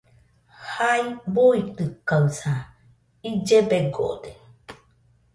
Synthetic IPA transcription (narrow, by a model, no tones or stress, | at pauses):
haibuit̪ɯkausa | id͡ʒebeɡo̰ʔd̪e